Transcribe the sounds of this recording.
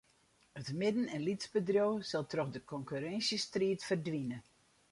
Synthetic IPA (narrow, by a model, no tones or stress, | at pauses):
ətmɪdən̩ɛnlitzbədrjowsɔlˠtrɔxdəkʰɔŋkyɾɛnsjəstriətfərdʋinə